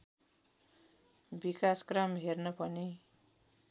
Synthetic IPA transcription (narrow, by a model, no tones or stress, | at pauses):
bikaskramɦernʌpʌni